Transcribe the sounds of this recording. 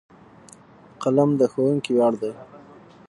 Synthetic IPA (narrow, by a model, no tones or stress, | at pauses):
qalamd̪əxowuŋkiwɑɽd̪aj